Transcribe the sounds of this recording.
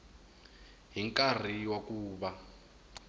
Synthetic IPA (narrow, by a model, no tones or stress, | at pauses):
ɦiŋkʼar̤iwakuːɓa